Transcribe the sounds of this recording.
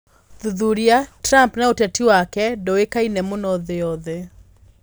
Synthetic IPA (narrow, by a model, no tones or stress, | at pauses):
ðuðuɾiatɾampnaotatiwakɛdɔwekainɛmʊnɔðɪɔðe